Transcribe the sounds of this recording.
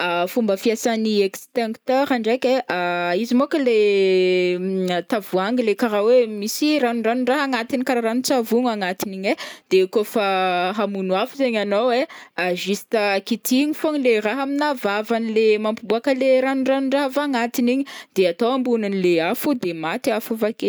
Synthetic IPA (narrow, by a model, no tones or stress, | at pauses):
afumbəfiasaniɛkst̪eŋkt̪ɛɾaɳɖ͡ʐekʲeʔaizimokəle | at̪avuaŋɡilekaɾawemisiranuɖ͡ʐanuɖ͡ʐaɦaŋat̪inikaɾaɾanit͡savuŋaŋat̪iniɲed̪̥ekofaɦamunwafuzeɲanoweaʒist̪akit̪iɲifoɲileraɦaminavavanilemampibuakəleɾanuɳɖ͡ʐanuɳɖ͡ʐaɦafaːŋat̪iniɲid̪̥eat̪owambunanileafud̪emat̪iafuvake